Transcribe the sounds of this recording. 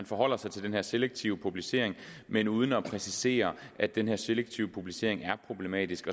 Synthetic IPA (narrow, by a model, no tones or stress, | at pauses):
ænfɒ̽ɦɒ̽l̰ɐsɑ̈ɪt͡sʰe̝ld̥enhe̝ɐ̰seleɡ̥̚t͡sʰiʊəpʰub̥lise̝ɐ̰eŋ | menuːð̞ˠn̩ɒpʰʁɛsise̝̰ːɐʔæd̥enɦeɐseleɡ̥̚t͡sʰiʊəpʰub̥lise̝ɐ̰e̝ŋæɐpʰʁo̝b̥le̝mɛ̰ːd̥isɡ̥ɒ̽